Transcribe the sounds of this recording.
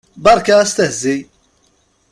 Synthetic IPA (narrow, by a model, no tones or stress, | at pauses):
bɑɾˤkaæst̪əhzi